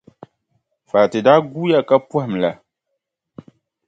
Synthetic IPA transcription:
fa˨tɪ˨daː˦ɡu˦ja˦ka˦phm˨la˨

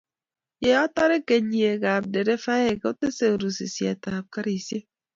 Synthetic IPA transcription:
je˨ɔ˦tɔ˦ɾe˦ke˨ɲi˨e˨ɡa˨b̚de˨ɾe˦fa˦e˨ke˦o˦te˦se˦o˨ɾu˨sḭ˨sja˨ta˨p̚ka˦ɾi˨sje˦

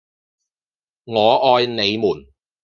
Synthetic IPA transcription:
ŋɔː˨˧ʔɔː˧jne˨˧jmuː˨˩n

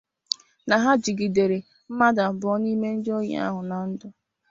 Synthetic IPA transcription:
na˨ɦa˦d͡ʒi˨ɡi˨de˨ɾe˨ | m̩˦ma˦da˨bʊ˨ɔ˦ni˦me˦n̩˦dɪ˦o˦ɲḛ˦a̰˦ɦʊ˨na˨n̩˦dʊ˨

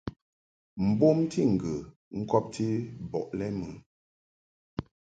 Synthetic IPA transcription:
m̩˨bo˦mtʰi˦˨ŋ̩˨ɡə˨ | ŋ̩˦kɔ˦p̚tʰi˦bɔ̰˨ʔlɛ˦mə˨˦

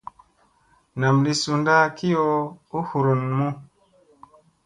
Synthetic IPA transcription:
na˨mdi˦su˨nda˦ki˦jo˦u˦hu˨ɾu˨nmu˦

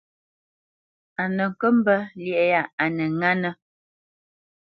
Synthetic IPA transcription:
a˨nə˨ŋ̩˨kə˦m̩˦bə˦ljɛ˨ʔja˦˨a˨nə˨ŋa˦nə˦

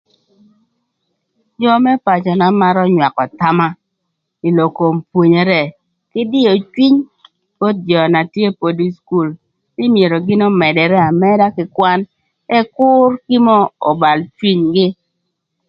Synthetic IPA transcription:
d͡ʒɔ˦mɛ˦pa˨t͡ʃɔ˨na˨ma˦ɾɔ˦ɲwa˨kɔ˨ta˦ma˦ | i˨lo˨ko˨mpwo˨ɲe˨ɾɛ˦ | kɪ˦dɪ˦o˨t͡ʃwi˦ɲ | b̥o˦t̪̚d͡ʒɔ˨na˨tje˦po˨di˦sku˦˨l | nɪ˦mje˨ɾo˨ɡɪ˦nɔ˦mɛ˨dɛ˨ɾɛ˦a˨mɛ˦da˦kɪ˨kwa˦n | ɛ˦kʊ˦rki˦mɔ˦ɔ˨ba˨lt͡ʃwi˦ɲɡɪ˦

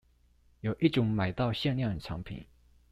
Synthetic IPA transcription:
jo˨˩ʊʔi˥˩ʈ͡ʂʊ˨˥ŋma˨˩ɪt̪ɑ˥˧ʊɕjɛ˥˧nljɑ˥˩ŋ˨˩ʈ͡ʂʰɑ̰˧˥ŋpʰḭ˨˩˦n

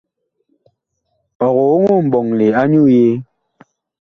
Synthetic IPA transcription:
ɔ˨ɣɔ˨o˦ŋo˦m̩˨bɔ˨ŋle˨a˦ɲu˦˨je˦

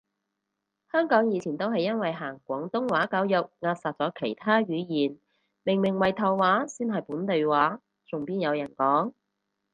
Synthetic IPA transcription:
hœː˥ŋkɔː˨˥ŋjiː˨˧t͡sʰiː˨˩nt̪o˥wɦɐ˨jːɐ˥nwɐ˨jɦaː˨˩ŋkʷɔː˨˥ŋt̪ʊ˥ŋwaː˨˥ka˨˥wjʊ˨k̚ŋaː˧t̚saː˨t̚t͡sɔː˨˥kʰe˨˩jt̪ʰaː˥ɥyː˨˧jiː˨˩n | mɪ˨˩ŋmɪ˨˩ŋwɐ˨jt̪ʰɐ˨˩wwaː˨˥siː˥nɦɐ˨jpuː˨˥nt̪e˨jwaː˨˥ | t͡sʊ˨ŋpiː˥njɐ˨˧wjɐ˨˩nkɔː˨˥ŋ

